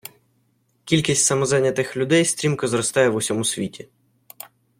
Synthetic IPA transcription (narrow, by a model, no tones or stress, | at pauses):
kʲilʲkʲisʲtʲsɐmɔzanʲɐt̪ɪxlʲʊd̪ɛjst̪ɾʲimkɐzɾɔst̪ɑjɛʋʊsʲɔmusʲʋʲitʲi